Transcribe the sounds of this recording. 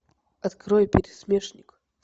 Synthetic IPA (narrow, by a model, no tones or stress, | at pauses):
at̪kɾɔjpʲeɾʲismʲeʂnʲik